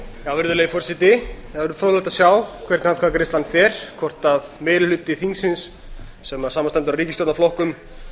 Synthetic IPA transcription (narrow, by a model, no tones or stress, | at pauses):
jawvɪɾðʏlɛːjfɔr̥sɪt̪ɪavɛɾʏfʰɾowlɛht̪asjaːwkʰvɛr̥t̪nhankʰaːkɾɪst̪anθɛɾ̥kʰɔr̥t̪aðmeːjɾɪlʏt̪ːɪθiŋksɪnsː | ɛmasaːmanst̪ɛmt̪ʏɾaɾiːcɪst̪ɔt̪naflɔhkʏm